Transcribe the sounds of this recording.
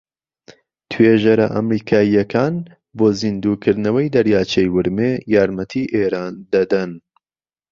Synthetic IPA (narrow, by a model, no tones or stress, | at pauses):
t̪ʰweːʒɐɾɐʔɐ̰mɾiːkʰaːjːɐkʰaːn | boːzind̪uːkʰɨɾd̪nɐwɐjd̪ɐɾjaːt͡ʃʰejwɨɾmejaːɾmɐt̪ʰiːʔeːɾaːnd̪ɐd̪ɐn